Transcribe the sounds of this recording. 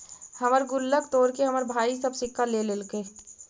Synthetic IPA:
hɐməɾɡʊlːəkt̪oːɾkeɦɐməɾbʱaːisəbsɪkʰːalelelkeː

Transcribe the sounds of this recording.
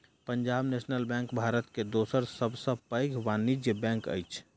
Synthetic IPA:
pəɲd͡ʒaːbnesnəlbɛ̃ŋkbʱaɾət̪ked̪osəɾsəbʱsəbpəjɡʰʋanid͡ʒjəbɛ̃ŋkə̰jt͡ʃʰ

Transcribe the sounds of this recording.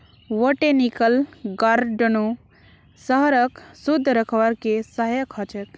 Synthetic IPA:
ʋəʈenikəlɡaɾɖonu | səɦəɾəksud̪ʱːɾəkʰʋaɾkesaɦjəkʰət͡ʃɛk

